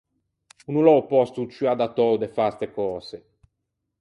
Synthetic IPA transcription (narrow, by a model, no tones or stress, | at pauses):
unulɔwpɔst̪ut͡ʃyad̪at̪ɔwd̪efast̪ekɔːse